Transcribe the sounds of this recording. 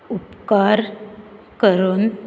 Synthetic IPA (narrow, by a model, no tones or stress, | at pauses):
upkaɾ | kəɾon